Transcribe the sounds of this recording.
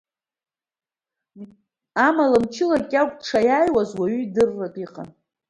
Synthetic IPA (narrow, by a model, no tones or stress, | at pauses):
amalamt͡ʃʰɪlakʲʼakʷʼʈ͡ʂʰajaːjwazwaɥyidɨrːatʼiqʼa̰n